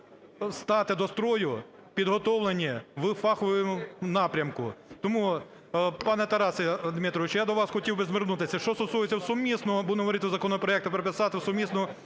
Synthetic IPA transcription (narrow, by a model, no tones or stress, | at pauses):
st̪ɑt̪ɪd̪ɔst̪ɾɔjʊ | pʲid̪ɦɔt̪ɔwlˠenʲiʋɪfɑxʊjɪmʊnɑpɾʲɐmkʊt̪ɔmu | pɑnɛt̪ɐɾɑsed̪mɪt̪ɾɔʋɪt͡ʃjad̪ɔʋɑsxɔtʲiwbɪzmernut̪ɪsʲɐʃt͡ʃɔst̪ɔsujɪt͡sʲɐwsɔmʲisnɔbud̪nɔɦɔʋɔɾɪt̪ɪwzɐkɔnɔpɾɔɛk̚t̪ʊpeɾepɪsɑt̪ɪwsɔmʲisnɔ